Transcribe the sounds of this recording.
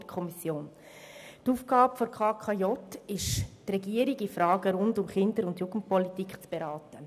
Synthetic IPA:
kʰɔmisjoːn | tuːfɡ̥ɑːbəfɔɾkʰɑːkʰɑjɔtɪʃtrɛɡiəɾɪɡifɾɑːɡəɾʊndʊmχɪndəɾʊndjuɡ̥n̩t̚pɔlitikχt͡sb̥eɾɑːtə

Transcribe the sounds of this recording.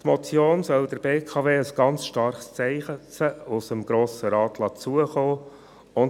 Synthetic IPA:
tmɔt͡sjoːnsœld̥əɾbeːkʰɑveːəsɡ̥ɑnt͡sʃtɑɾχst͡sɛɪχət͡səusəmɡɾoːsəɾɑːtlɑt͡suəχoː | ʊn

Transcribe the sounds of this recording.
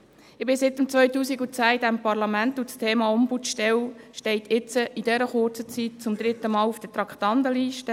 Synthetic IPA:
ɪbɪsɪt̪əmt͡sʋœʏtuːsiɡut͡sæːidæmpɑɾlɑmænt̪ut͡stʰeːmɑɔmbutʃtɛwʃtɛɪt̪ʰɪt͡səʔid̥ɛɾəχʊrt͡sət͡sit̚t͡sʊmd̪ɾɪt̪ːəmɑːlufd̥̪ət̪ɾɑkχt̪ɑnd̪əliːʃtə

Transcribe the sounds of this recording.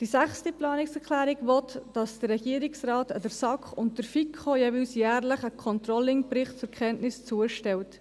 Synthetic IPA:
d̥isæχstiplɑːnɪksɛkʰlæːɾɪɡʋɔtd̥ɑsd̥ərːɛɡ̥iəɾɪksrɑːtədəɾsɑkχʊnt̚dəɾfikʰχojevʏlsjæːɾləχəkʰɔntɾɔlːɪŋpɾɪχtt͡sʊɾkχɛntnɪst͡suəʃtɛwt

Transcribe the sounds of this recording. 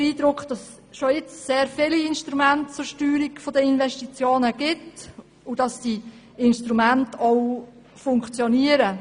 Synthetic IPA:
iːdɾʊkχd̥ɑs | ʃɔɪt͡sseːɾfɪliɪnʃtɾumæntt͡sʊɾʃtyːɾiɡfɔdəɪnvɛʃtit͡sjoːnəɡ̥ɪt | ʊd̥ɑsd̥i | ɪnʃtɾumæntɔw | fʊŋkt͡sjɔniəɾə

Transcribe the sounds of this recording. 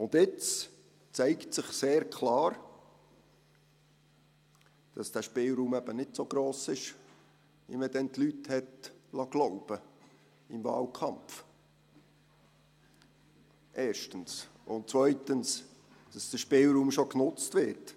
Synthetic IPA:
ʊndɪt͡s | t͡sɛɪktsɪχseːɾkʰlɑːɾ | d̥ɑsd̥æːʃpɪlɾuːmɛb̥ənɪtsoɡ̥ɾoːsɪʃ | ḭmɛd̥ɛntlythɛtlɑɡ̥lɔʊb̥ə | ɪmvɑ̰ːlkʰɑmf | ʔɛːʃtəns | ʊntt͡svœʏtəns | d̥ɑsd̥əʃpɪlɾuːmʃoknʊt͡stʋɪɾt

